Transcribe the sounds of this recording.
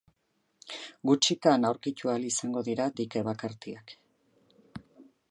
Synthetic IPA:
ɡut͡ʃikanawɾkic̪ualisaŋɡo̞ðiɾad̪ike̞βakaɾt̪iak

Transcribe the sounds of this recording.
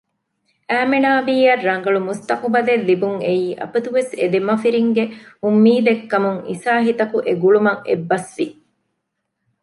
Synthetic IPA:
ʔæːmenaːbiːjɐrːɐŋ̆ɡɐɭumust̪ɐqubɐlelːibuŋeiːʔɐ̰pɐt̪uʋesed̪emɐfiɾiŋɡeumːiːd̪ekːɐmuŋḭsaːɦit̪ɐkuʔeɡuɭumɐŋḛbːɐsʋi

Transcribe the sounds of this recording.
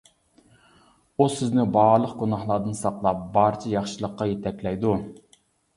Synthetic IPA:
usɪznɪbɑɾlˠəqɡunɑχlˠɑd̪ɨnsɑqlˠɑp̚bɑɾt͡ʃʰɛjɑχʃɨlˠəqːɑjet̪ʰɛkʲlɛjd̪u

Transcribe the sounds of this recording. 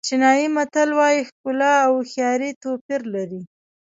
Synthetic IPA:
t͡ʃɪnɑjimat̪alwɑjixkʊlɑːwxjɑɾit̪opiɾlaɾi

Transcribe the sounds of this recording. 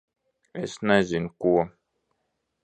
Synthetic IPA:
ɛ̰snazinkuwa

